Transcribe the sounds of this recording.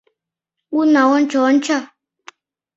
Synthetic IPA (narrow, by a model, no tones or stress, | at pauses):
unawɔnt͡ʃɔnt͡ʃʰa